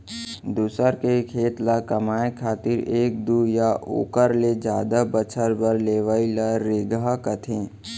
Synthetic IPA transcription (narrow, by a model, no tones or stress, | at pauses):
d̪uːsəɾkekʰeːt̪lakəmaːekʰaːt̪ɪɾeːk̚d̪ujaʔo̰ːkəɾled͡ʒaːd̪abət͡ʃʰəɾbəɾleːʋailaɾeːɡakət̪ʰẽː